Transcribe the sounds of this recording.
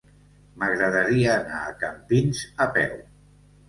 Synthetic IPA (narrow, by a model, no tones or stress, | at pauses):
məɣɾəðəɾiəːnaːkəmpinzəpɛ̰w